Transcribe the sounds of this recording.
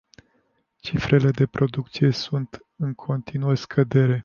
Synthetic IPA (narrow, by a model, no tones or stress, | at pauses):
t͡ʃifɾʔe̞le̞d̪e̞pɾo̞d̪uk̚t̪sije̞sunt̪ | ɨŋkʰo̞nt̪inuərskʰəd̪e̞ɾe̞